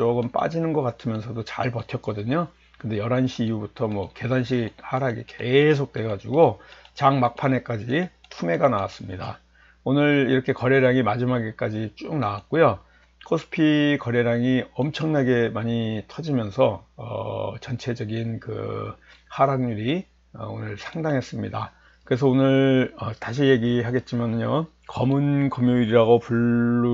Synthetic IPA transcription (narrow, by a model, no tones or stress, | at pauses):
t͡ɕoɡɯmp͈a̰d͡ʑinɯnɡʌk͈atʰɯmjʌnsʰʌdot͡ɕa̰ɭpʌtʰjʌk͈ʌdɯɲo | kɯnde̞jʌɾɦanɕʰiːjubutʰʌmwʌke̞sanɕ̬ʰihaɾaɡike̞s̬ʰok̚t͈we̞ɡad͡ʑiɡot͡ɕaŋmak̚pʰane̞k͈ad͡ʑi | tʰume̞ɡanawas͈ɯmɲida̰ | onɯɾiɾʌkʰe̞kʌɾe̞ɾaŋimad͡ʑimaɡe̞k͈ad͡ʑit͡ɕ͈umnawat̚k͈ojo | kʰosʰɯ̥pʰikʌɾe̞ɾaŋiʌmt͡ɕʰʌŋnaɡe̞maɲitʰʌd͡ʑimjʌnsʰʌʌ̰t͡ɕʌnt͡ɕʰe̞d͡ʑʌɡinkɯ̰ | haɾaŋɲuɾi | ʌ̰o̰nɯɭsʰaŋdaŋɦe̞s͈ɯmɲida | kɯɾe̞s̬ʰʌonɯɭʌtaɕ̬ʰije̞ɡiɦaɡe̞t̚t͡ɕ͈imanɯɲjo | kʌmɯnkʌmjoiɾiɾaɡopuɭː